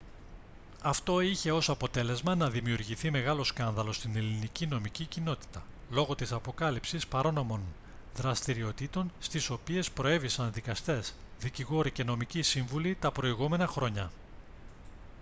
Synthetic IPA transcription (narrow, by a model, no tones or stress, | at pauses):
ɐft̪o̞içe̞o̞sɐpo̞t̪e̞le̞zmɐnɐðimiuɾʝiθime̞ɣɐlo̞skɐnðɐlost̪ine̞linicino̞micicino̞t̪i̥t̪ɐ | lo̞ɣo̞t̪isɐpo̞kɐlipsispɐɾo̞no̞mo̞n | ðɾɐst̪iɾio̞t̪it̪o̞nst̪iso̞pie̞spɾo̞e̞visɐnðikɐst̪e̞sðiciɣo̞ɾice̞no̞micisiɱvulit̪ɐpɾo̞iɣume̞nɐxɾo̞ɲɐ